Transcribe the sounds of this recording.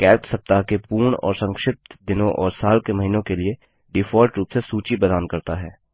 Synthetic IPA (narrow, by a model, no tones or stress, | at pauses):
kɛːksɐp̚t̪akepuːɾɳɔ̰ːɾsə̃ŋkʃɪp̚t̪d̪ɪnõʔɔːɾsaːlkemɐɦiːnõkelie | ɖɪfʰɔːlʈɾuːpsesuːt͡ʃibəd̪aːnkɐɾt̪aɦɛː